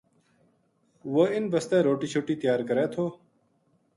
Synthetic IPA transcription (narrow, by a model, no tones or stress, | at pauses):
woɪnbəst̪eːɾoːʈiːt͡ɕʰoːʈiːt̪jaːɾkəɾeːt̪ʰoː